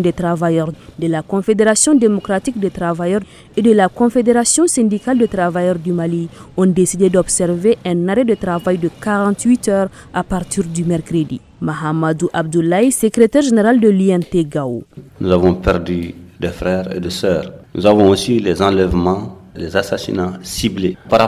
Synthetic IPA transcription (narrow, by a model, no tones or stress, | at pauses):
d̪et̪ɾavajœʁd̪əlakɔ̃fed̪eʁasjɔ̃d̪emɔkɾat̪ik̚d̪et̪ɾavajœʁ | ed̪əlakɔ̃fed̪eɾasjɔ̃sɛ̃nd̪ikald̪ət̪ɾavajœʁd̪ymaliɔ̃d̪esid̪ed̪ɔbsɛɾveʔɛ̃naɾɛd̪ət̪ɾavajd̪əkaʁɑ̃nt̪wit̪œːʁ | apaʁt̪iʁd̪ymɛɾkɾəd̪ḭ | maɦamad̪uʔab̚d̪ulajsəkɾet̪ɛʁʒeneʁald̪əlyɛnt̪eɡao̰nuzavɔ̃pɛɾd̪yd̪ɛfɾɛːɾḛdɛsœːɾnuzavɔ̃osilɛzɑ̃lɛvmɑ̃lɛzasasḭnasiblepaɾ